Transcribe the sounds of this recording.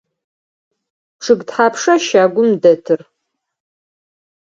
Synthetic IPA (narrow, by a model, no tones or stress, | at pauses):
ʈ͡ʂʰɨɡtħaːpʰʂɐʃaːɡʷʊmdɐtʰɨr